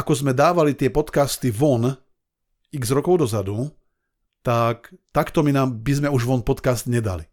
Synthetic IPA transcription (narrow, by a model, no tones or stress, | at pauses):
akɔzmɛd̪aːʋalit̪ɪɛpɔt̪kast̪iʋɔn | iɡzɾɔkɔʊd̪ɔzad̪u | t̪akt̪akt̪ɔminaːmbizmɛuʒʋɔnpɔt̪kast̪ɲɛd̪a̰lḭ